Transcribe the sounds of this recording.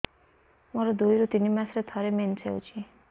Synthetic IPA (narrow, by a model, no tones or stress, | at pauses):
mʌɾʌd̪ujɾut̪inimasɾʌt̪ʰʌɾement͡sʰeo̰t͡sʰi